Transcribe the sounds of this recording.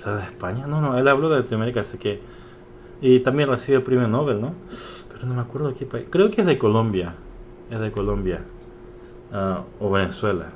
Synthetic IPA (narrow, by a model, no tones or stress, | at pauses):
saðespaɲanonoelaβloðelat̪inameɾikaseke | it̪ambjenresiβeelpɾimenoβelnopeɾonomeakweɾðokepaikɾeokeezðekolõmbja | ezðekolombja | aoβeneswela̰